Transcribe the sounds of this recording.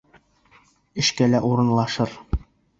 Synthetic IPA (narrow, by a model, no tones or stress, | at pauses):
ɘ̆ʃkælæʔuɾɤ̆nlˠɑʃɤɾ